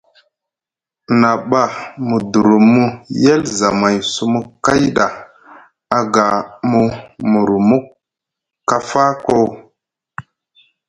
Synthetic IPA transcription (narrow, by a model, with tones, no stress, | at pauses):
na˨ɓa˨mu˨du˨ɾu˨mu˦je˦lza˨ma˨jsu˦mu˦kːa˦jɗa˨ | a˨ɡa˨mu˦mu˨ɾu˨mu˦k | kːa˦fa˦ko˦w